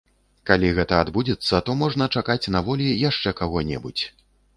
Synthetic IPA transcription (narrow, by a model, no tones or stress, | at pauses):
kalʲiɣɛt̪ɐad̪bud͡zʲɛt̪sːɐt̪ɔmɔʐn̪ɐt͡ʂakat͡sʲnavɔlʲijaʂt͡ʂɛkaɣɔnʲɛ̰but͡sʲ